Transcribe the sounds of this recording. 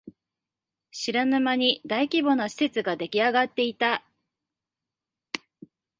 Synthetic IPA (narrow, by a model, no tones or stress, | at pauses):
ɕiɾanɯmaɲ̟id̪aikʲibo̞noɕi̥se̞t͡sɨɡad̪e̞kʲiaɡat̪ːe̞it̪a